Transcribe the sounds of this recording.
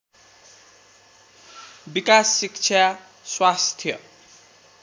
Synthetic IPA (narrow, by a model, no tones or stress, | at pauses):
bikasːikt͡sʰa | swast̪ʰjʌ